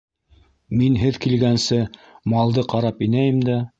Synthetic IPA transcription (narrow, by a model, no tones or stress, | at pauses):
minɦɘðkilɡænsɘmɑlˠd̪ɤqɑɾɑpinæjɘmd̪æ